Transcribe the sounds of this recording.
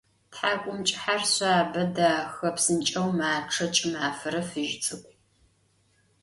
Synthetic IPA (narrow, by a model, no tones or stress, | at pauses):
tħaːkʷʼʊmt͡ʃʼɪħarɕʷaːbɐdaːxɐpsɨnt͡ʃʼɐwmaːʈ͡ʂʰɐt͡ʃʼmaːfɐɾɐfɨʒt͡sʼɨkʷʼ